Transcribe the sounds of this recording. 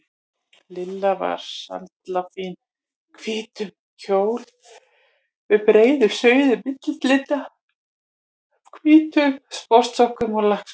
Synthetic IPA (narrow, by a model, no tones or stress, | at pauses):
lɪlːava̰ɾ̥sa̰nt̪lafin | kʰvɪːt̪ʏm | cʰoːwl | vɪðpɾeːjðʏ̥sœːɥðʏmɪt̪lt̪lɪt̪a | kʰvɪːt̪ʏmspɔst̪sɔhkʏmɔlahks